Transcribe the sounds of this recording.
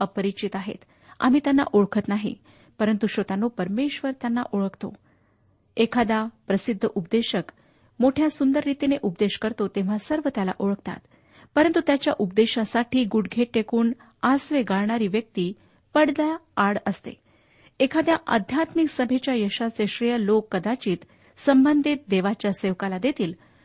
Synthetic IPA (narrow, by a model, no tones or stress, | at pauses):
əpəɾit͡ɕit̪aɦḛt̪ | a̰m̤iːt̪janːa̰ʔoɭkʰət̪naɦḭ | pəɾənt̪uɕot̪anːopəɾmeɕʋəɾt̪janːa̰ʔoɭəkʰt̪o | ekʰad̪japɾəsid̪ʱːəʔupd̪eɕək | moʈʰjasund̪əɾːit̪ineʔupd̪eɕkəɾt̪ot̪eʋ̤asəɾʋət̪jala̰ʔoɭək̚ʰt̪a̰t̪ | pəɾənt̪ut̪jat͡ɕjaʔup̚d̪eɕasaʈʰiːɡuɽɡʱeʈ̚ːekuːn | asʋeɡaɭɳaɾiːʋjək̚t̪iː | pəɽd̪a | aɽəst̪ḛ | ekʰad̪jaʔə̰d̪ʱjat̪miksəbʱet͡ɕjajəɕat͡seɕɾijəlokːəd̪at͡ɕiːt̪ | səmbənd̪ʱit̪̚d̪eʋat͡ɕjaseʋkalad̪et̪iːl